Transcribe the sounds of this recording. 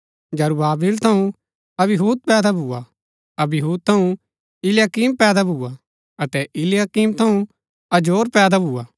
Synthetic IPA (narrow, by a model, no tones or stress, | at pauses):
d͡ʒɐɾubaːbiːlt̪ʰɐũ | ɐbɪɦuːd̪̚pɛːd̪abʱuːa | ɐbɦuːd̪̚t̪ʰɐũ | ɪljaːkiːmpɛːd̪abʱuːa | ɐt̪ɛʔɪljaːkiːmt̪ʰɐ̃ũ | ɐd͡ʒoːɾpɛːd̪abʱuːaː